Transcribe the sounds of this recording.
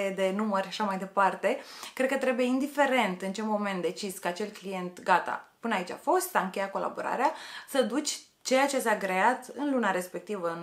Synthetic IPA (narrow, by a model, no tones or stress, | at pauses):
ed̪e̞numərʲʃaʃamajd̪e̞part̪e̞kɾed̪̚kət̪ɾe̞buje̞ind̪ife̞ɾe̞nt̪ɨnt͡ʃe̞mo̞me̞nt̪d̪e̞t͡ʃiskəat͡ʃe̞lklije̞nt̪ɡat̪a̰puneait͡ʃʲa̰fo̞st̪saɨŋkʲejat̚ko̞la̰bo̰ɾa̰ɾeasəd̪ut͡ʃʲ | t͡ʃe̞jat͡ʃesaɡɾe̞at̪ɨnlunaɾe̞spe̞k̚t̪ivəɨn